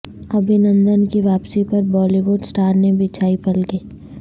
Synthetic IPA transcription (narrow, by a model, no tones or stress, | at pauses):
ɐbʱinə̃nd̪ənkiʋaːpsipɐɾbɔːliʋʊɖsʈaːɾnebʱɪt͡ʃʰaːipɐlɡiː